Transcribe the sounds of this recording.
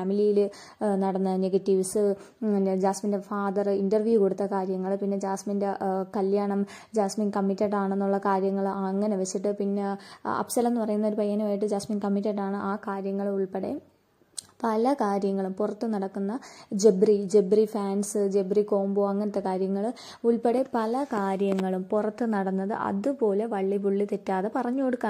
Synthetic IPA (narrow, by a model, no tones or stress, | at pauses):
aːmilijil | nɐɽɐnːɐðneɡɐtːiʋsɨ | d͡ʑaːsminde̞faːd̪ɐrindɐrʋjuko̞ɽut̪ːɐkaːɾjɐŋːɐɭpinːe̞d͡ʑaːsmindekɐljaːɳɐm | d͡ʑaːsmiŋkɐmːitːɐʈːaːɳe̞nːuɭːɐkaːɾjɐŋːɐɭɐŋːɐne̞ʋɐt͡ɕːiʈːɨpinːeɐ̰psɐlɐenːɨpɐrɐjunːɐo̞ɾupɐjːaːnumaːjiʈ̬ːɨd͡ʑaːsmiŋkɐmːitːeʈːaːɳɨʔaːkaːɾjɐŋːɐɭuɭpeɽe̞̰ | pɐlɐkaːɾjɐŋːɐɭumpurɐt̪ːɨnɐɽɐkːunːɐd͡ʑebrid͡ʑe̞brifaːnsɨd͡ʑebriko̞ːmboɐŋːɐnɐt̪ːe̞kaːɾjɐŋːɐɭ | uɭpeɽe̞pɐlɐkaːɾjɐŋːɐɭumpurɐt̪ːɨnɐɽɐnːɐðɨ̰ʔɐ̰ðupo̞ːle̞ʋɐɭːipuɭːit̪etːaːðe̞pɐrɐɲːoːɽukːaː